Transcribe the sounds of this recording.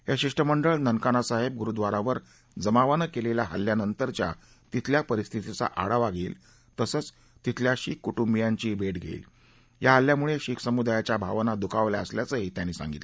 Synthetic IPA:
ɦjaɕiʂʈəməɳɖəɭnənkanasaɦeb̚ɡuɾud̪ʋaɾaʋəɾ | d͡zəmaʋənəkeleljaɦa̰ljanənt̪əɾt͡ɕja̰ | t̪it̪ʰljapəɾist̪ʰit̪it͡sa̰ʔa̰ɽaʋaɡʱeːl | t̪əsəːt͡s | t̪it̪ʰljaɕiːkːuʈumbijaɲt͡ɕiːbʱeʈɡʱḛil | jaɦalːjamuɭeɕiːksəmud̪ajat͡ɕjabʱa̰ʋnad̪ukʰaʋljaəsljat͡səːɦit̪janːiːsa̰ŋɡḭt̪

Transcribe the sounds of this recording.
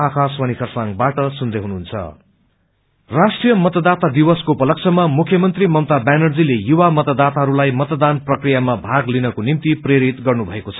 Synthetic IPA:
akʰaswʌnikʰʌrsaŋɡbaʈʌsund̪eɦunuɦunt͡sʰʌ̰ | rasʈrijʌmʌt̪ʌd̪at̪ad̪iwʌskoupʌlʌk̚t͡sʰʌmamukʰjʌmʌnt̪rimʌwt̪abanʌrd͡zilejuwamʌt̪ʌd̪at̪aɦʌɾulajmʌt̪d̪anprʌkrijamabʱaɡlinʌkonimt̪ipreɾit̪ɡʌrnubʱʌekot͡sʰʌ̥

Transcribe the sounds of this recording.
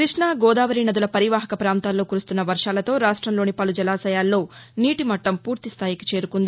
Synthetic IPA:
kɾiʂɳaːɡɔːd̪aːʋɐɾinɐd̪ulɐpɐɾiʋaːɦɐkɐpɾaːnt̪aːlːo̞ːkuɾust̪unːɐʋɐɾʂaːlɐt̪o̞ːɾaːʂʈɾɐmlo̞ːnipɐlud͡ʒɐlaːsɐjaːlːo̞ːniːʈimɐʈːɐmpuːɾt̪ist̪ʰaːjiki̥t͡ʃe̞ːɾukund̪i

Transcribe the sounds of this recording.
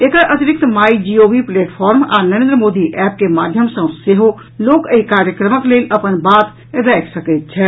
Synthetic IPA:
ekəɾʔət̪ɾik̚t̪maid͡ʒioʋipleʈpʰɔɾma̰nəɾẽnd̪ɾəmod̪iʔɛp̚kemad̪ʱjəmsə̃seɦo | lokəikaɾjəkɾəməkleləpənbat̪ | ɾɛkʰsəkɛjt̪̚t͡ʃʰɛ

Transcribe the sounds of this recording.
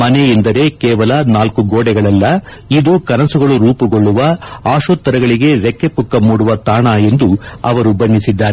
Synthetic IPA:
mɐnejind̪ɐɾe̞kɛːʋɐlɐnaːlkuɡoːɽɛɡɐɭɐlːɐ | id̪ukɐnɐsuɡɐɭuɾuːpuɡoɭːuʋɐaːʃoːt̪ːɐɾɐɡɐɭiɡe̞ʋɛkːe̞pukːɐmuːɽuʋɐt̪aːɳɐe̞nd̪uɐ̰ʋɐɾubɐnd̪isid̪ːaːɾe

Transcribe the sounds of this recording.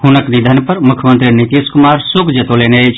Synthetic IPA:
hʊnəknid̪ʱənpəɾmʊkʰjmənt̪ɾinit̪iːskʊmaːɾsʊkʰd͡ʒət̪oːlenet͡ʃʰ

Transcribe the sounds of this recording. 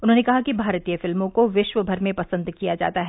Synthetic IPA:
ʊnɦõnekɐɦakibʱaːɾt̪ijəfɪlmõkoʋɪʃʋəbʱɐɾmẽpɐsə̃nd̪kijad͡ʒa̰ːt̪aɦɛː

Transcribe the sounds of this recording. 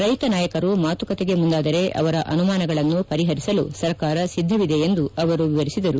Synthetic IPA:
ɾɐjt̪ɐnaːjɐkɐɾumaːt̪ukɐt̪eɡe̞mund̪aːd̪ɐɾe̞ʔɐ̰ʋɐɾɐʔɐnumaːnɐɡɐɭɐnːupɐɾiɦɐɾisɐlusɐɾkaːɾɐsid̪ʱːɐʋid̪e̞ːnd̪uɐʋɐɾuʋiʋɐɾisid̪ɐɾu

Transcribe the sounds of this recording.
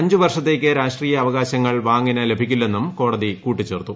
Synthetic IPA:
ɐɲd͡ʑuʋɐrʂɐt̪ːe̞ːk̬ʲːɨɾaːʂʈriːjɐːʋɐɣaːɕɐŋːɐɭʋaːŋɡinɐle̞bʱikʲːulːe̞nːumko̞ːɽɐðikuːʈːit͡ɕːe̞ːrt̪ːu

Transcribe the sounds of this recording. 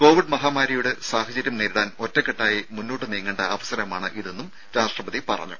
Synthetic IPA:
ko̞ːʋiɖmɐɦaːmaːɾɐjuɽesaːɦɐd͡ʑɐɾjɐmneɾuɽaːno̞tːekːeʈːaːjimunːoːʈːɨniːŋːɐɳɖɐɐʋɐsɐɾɐmaːɳɨʔiðenːum | ɾaːʂrɐbɐðipɐ̰rɐ̰ɲːṵ

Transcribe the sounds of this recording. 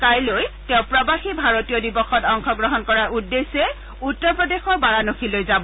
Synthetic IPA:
kajlojtɛ̃ʊ̃pɹɔbaxibʱaɹotijɔdibɔxɔtɔŋxɔɡɹɔɦɔnkɔɹaɹudːesɛ | utːɔɹpɹɔdexɔɹbaɹanoxʰilojzabɔ

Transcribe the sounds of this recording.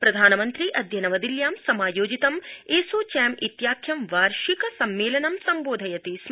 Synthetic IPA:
pɾɐd̪ʱaːnɐmɐnt̪ɾiʔɐd̪ʱjɐnɐʋɐd̪iljaːmsɐmaːjoːd͡ʒit̪ɐmeːsoːt͡ʃɛːmit̪jaːkʰjɐmʋaːɾʃikɐsɐmːeːlɐnɐmsɐmboːd̪ʱɐjɐt̪is

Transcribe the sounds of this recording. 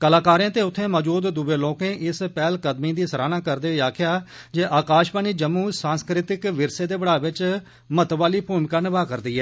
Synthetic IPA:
kəlaːkaːɾjãːt̪eːʊt̪ʰːẽːmɔːd͡ʒuːd̪ːʊbeːlõːkẽːʔɪspɛːlkəd̪mĩːd̪iːsəɾaːnãːkəɾd̪eːaːkʰjaː | d͡ʒeːʔaːkaːʃpəniːd͡ʒəmːuːsãːnskɾɪt̪ɪkʋɪɾseːd̪eːbəɽaːʋɪt͡ʃ | mət̪ʋaːliːpʰuːmkənɪʋaːkəɾd̪iːɦɛː

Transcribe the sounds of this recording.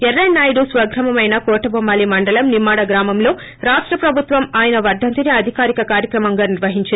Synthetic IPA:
ɛɾːɐjːaːjɽusʋɐɡɾɐmɐmɐjnɐkɔːʈɐbɐmːaːlimɐɳɖɐlɐmnimaːɽɐɡɾaːmɐmlo̞ː | ɾaːʂʈɾɐpɾɐbʱut̪ʋɐmaːjɐnɐʋɐɾd̪ʱɐnt̪iniɐd̪ʱikaːɾikɐkaːɾjɐkɾɐmɐŋɡaːniɾʋɐɦiɲt͡ʃi

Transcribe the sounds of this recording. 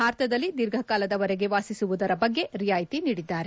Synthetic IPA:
baːɾt̪ɐd̪ɐlːid̪iɾɡʱɐkaːlɐd̪ɐʋɐɾeɡe̞ʋaːsisuʋud̪ɐɾɐbɐɡːe̞ɾijaːjt̪iniːɽid̪ːaːɾe

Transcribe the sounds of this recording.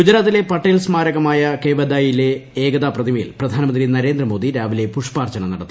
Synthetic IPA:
ɡud͡ʑɐɾaːt̪ːile̞pɐʈːeːlsmaːɾɐɣɐmaːjɐkeʋɐd̪aːjile̞eːɡɐd̪aːprɐd̪ʱimɐjḭlprɐd̪ʱaːnɐmɐndrinɐɾe̞ːnd̪rɐmo̞ːd̪iɾaːʋile̞puʂpaːrt͡ɕɐnɐmnɐɽɐt̪ːi

